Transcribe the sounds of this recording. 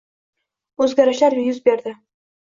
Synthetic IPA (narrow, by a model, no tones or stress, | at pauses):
ɵzɡʲaɾɪʃlaɾjʊzbeɾd̪ɪ